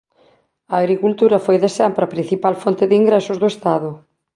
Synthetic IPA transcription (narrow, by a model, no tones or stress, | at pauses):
ɐːɣɾikult̪uɾɐfojðesampɾɐpɾin̟θipalfont̪ɪðiŋɡɾɛsʊzðʊest̪aðʊ